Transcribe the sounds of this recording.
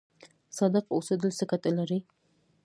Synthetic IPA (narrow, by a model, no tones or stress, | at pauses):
sɑd̪əqosəd̪əlsɪkat̪alaɾi